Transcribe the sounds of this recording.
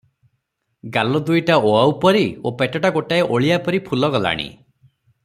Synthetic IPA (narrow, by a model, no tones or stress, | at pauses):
ɡalɔd̪ujʈaoaupɔɾiopeʈɔʈaɡoʈaeʔoɭijapɔɾipʰulɔɡɔla̰ɽ̃ḭ